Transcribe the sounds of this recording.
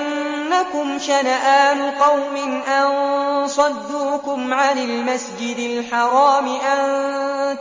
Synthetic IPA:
nː | akʊmʃanaʔaːnʊqɑwmɪnʔansˤɑd̪ːuːkʊmʕanalmasd͡ʒɪd̪ɪlħɑɾˤɑːmɪʔann

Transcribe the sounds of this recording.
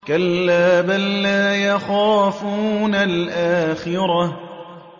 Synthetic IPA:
kalːaːbanlaːjaxaːfuːnalʔaːxɪɾɑ

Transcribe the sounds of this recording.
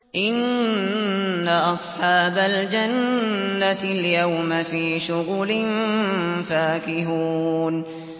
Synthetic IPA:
ʔɪn | aʔɑsˤħɑːbald͡ʒanːaljawmafiːʃʊɣlɪmfaːkɪɦuːn

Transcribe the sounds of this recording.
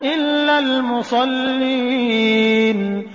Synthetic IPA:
ʔɪlːalmʊsˤɑlːiː | n

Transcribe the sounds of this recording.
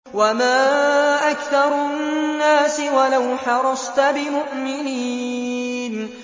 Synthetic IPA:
wamaːʔakθɑɾˤʊnːaːsɪwalawħɑɾˤɑst̪abɪmʊʔmɪniː | n

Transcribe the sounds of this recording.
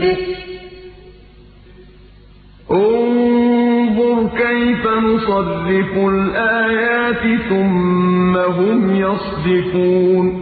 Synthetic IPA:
ʔʊn | ðˤʊɾkajfanʊsˤɑrːɪfʊlʔaːjaːt̪ɪθʊmːaɦʊmjɑsˤd̪ɪquːn

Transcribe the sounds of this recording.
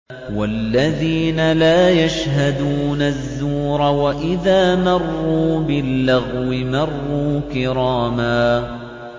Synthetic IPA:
walːaðiːnalaːjaʃɦad̪uːnaðːuːɾˤɑwaʔɪðaːmɑrˤːuːbɪlːaɣwɪmɑrˤːuːkɪɾɑːmaː

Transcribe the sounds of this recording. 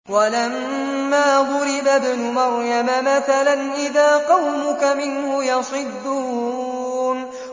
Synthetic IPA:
walamː | aːðˤʊɾɪbabnʊmɑɾjamamaθalanʔɪðaːqɑwmʊkamɪnhʊjɑsˤɨd̪ːʊhuːn

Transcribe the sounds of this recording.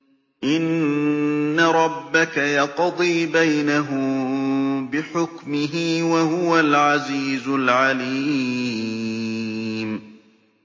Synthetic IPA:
ʔɪnː | aɾˤɑbːakajɑqd̪ˤiːbajnaɦʊ | bɪħʊkmɪɦiːwahʊwalʕaziːzʊlʕaliː | m

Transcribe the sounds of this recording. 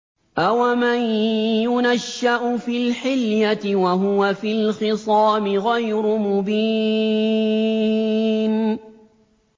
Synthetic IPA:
ʔawamanjʊnaʃːaʔʊfilħɪljat̪ɪwaɦʊwafilxɪsˤɑːmɪɣajɾʊmʊbi | n

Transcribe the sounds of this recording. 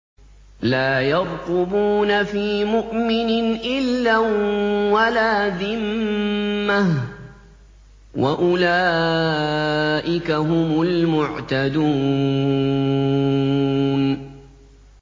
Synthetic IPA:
laːjɑɾˤqʊbuːnafiːmʊʔmɪnɪnʔɪlːa | walaːðɪmmːah | wʔa̰ʔʊlaː | ʔɪkaɦʊmʊlmʊʕt̪ad̪uː | n

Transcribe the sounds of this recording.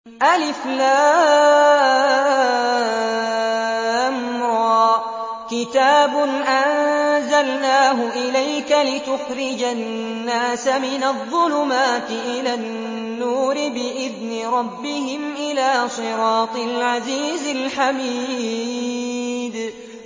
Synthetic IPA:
ʔalɪflaː | amɾˤɑː | kɪt̪aːbʊnʔanzalnaːɦʊʔɪlajkalɪt̪ʊxɾɪd͡ʒannːaːsamɪnaðˤːʊlʊmaːt̪ɪʔɪlanː | uːɾɪbɪʔɪðnɪɾˤɑbːɪhɪmʔɪlaːsˤɨɾɑːt̪ˤɪlʕaziːzɪlħamiː | d̪

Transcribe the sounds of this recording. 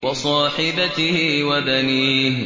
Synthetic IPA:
wɑsˤɑːħɪbat̪ɪhɪwabaniːh

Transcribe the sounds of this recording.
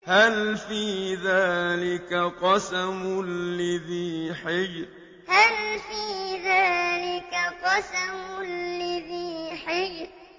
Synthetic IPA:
halfiːðaːlɪkaqɑsamʊlːaðiːħɪjɾ | halfiːðaːlɪkaqɑsamʊlːaðiːħɪjɾ

